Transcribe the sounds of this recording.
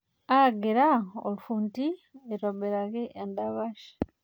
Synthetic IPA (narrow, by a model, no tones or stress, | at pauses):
aɡeɾao̰lfuntieɾobeɾaɣeʔendaβaʃ